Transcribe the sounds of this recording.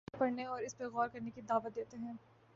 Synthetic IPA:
pɐɽneɔːɾɪspeɣɔːɾkɐɾnekid̪aːʋət̪̚d̪eːt̪eɦɛ̃ː

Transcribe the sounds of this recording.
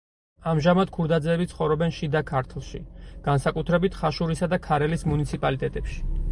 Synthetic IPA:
amʒamad̪̥kʰuɾd̪ad̪zɛːbit̪sʰχɔvɾɔbɛnʃid̪akʰaɾt̪ʰlˠʃḭɡ̥ansakʼut̪ʰɾɛbit̪ʰχaʃuɾisad̪akʰaɾɛlismunit̪sʰipʼalit̪ʼɛt̪ʼɛpʃi̥

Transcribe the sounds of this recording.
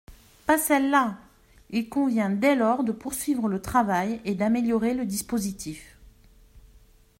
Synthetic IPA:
pasɛlːa | ilkɔ̃vjɛ̃d̪ɛlɔʁd̪əpuʁsɥivʁələt̪χavajed̪ameljɔʁeləd̪ispozit̪ʰif

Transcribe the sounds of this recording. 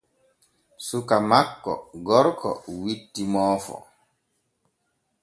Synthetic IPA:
sukamakːɔ̰ɡɔɾkɔ̰witːimɔːfɔ̰

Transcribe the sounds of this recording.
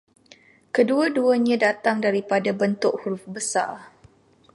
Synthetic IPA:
kəduaduaɲãdat̪aŋdaɾipadabənt̪ʊʔhuɾʊfbəsa̰r

